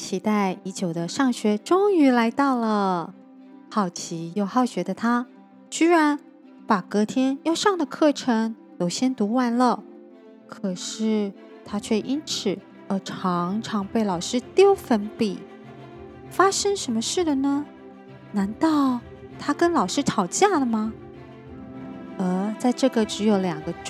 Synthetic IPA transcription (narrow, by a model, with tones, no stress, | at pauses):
t͡ɕʰi˧˥t̪a˥˩ɪi˧˥t͡ɕjo˨˩ʊd̪ə˦ʂɑ˥˩ŋɕɥɛ˧˥ʈ͡ʂʊ˥ŋy˧˥la˧˥ɪt̪ɑ˥˩ʊlə˩ | xɑ˨˩ʊt͡ɕʰi˧˥jo˥˩ʊxɑ˥˩ʊɕɥɛ˧˥d̪ə˧t̪ʰa˥ | t͡ɕy˥ɻa˧˥n | pa˨˩kɤ˧˥t̪ʰjɛ˥njo˥˧ʊʂɑ˥˩ŋd̪ə˩kʰɤ˥˩ʈ͡ʂʰɤ˧˥ŋ | j̪o˨˩ʊɕjɛ˥nt̪u˧˥wa˧˥nlə˨ | kʰɤ˨˩ʂɻ̩˥˩ | t̪ʰa˥t͡ɕʰɥɛ˥˩ʔi˥nʈ͡ʂʰɻ̩˨˩˦ | ə˧˩ʈ͡ʂʰɑ˧˥ŋʈ͡ʂʰɑ˧˥ŋpe˥˩ɪlɑ˨˩ʊʂɻ̩˥t̪jo˥ʊfə˧˥npi˨˩˦ | fa˥ʂɤ˥ŋʂə˧˥nmə˧ʂɻ̩˥˩d̪ə˩nə˩ | na˧˥nt̪ɑ˥˩ʊ | t̪ʰa˥kə˥nlɑ˨˩ʊʂɻ̩˥t̪ʰɑ˨˩ʊt͡ɕja˥˩lə˩mɐ˩ | ə˥˧t͡sa˥˧ɪʈ͡ʂɤ˥˩ɡə˩ʈ͡ʂɻ̩˧˥jo˧˩ʊljɑ˨˩ŋɡə˦